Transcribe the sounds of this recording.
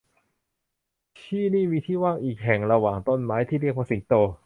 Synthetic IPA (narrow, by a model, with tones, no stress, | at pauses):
t͡ɕʰiː˥˩niː˥˩miː˧t̪ʰiː˥˩waː˥˩ŋʔiː˨˩k̚ɦɛ˨˩ŋɾa˧waː˨˩ŋt̪o˥˩˨nmaː˦˥jt̪ʰiː˥˩ɾi˥˩ək̚ʰaː˧˩si˨˩˦ŋt̪oː˧